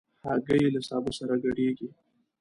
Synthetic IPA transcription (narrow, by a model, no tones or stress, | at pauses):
haɡəjelasɑbosaɾaɡaɽeɡi